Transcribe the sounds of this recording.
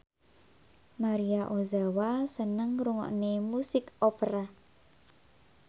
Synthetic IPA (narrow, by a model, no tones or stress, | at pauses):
maɾiaʔozawasənəŋɾuŋɔ̰ʔnemusɪkopəɾa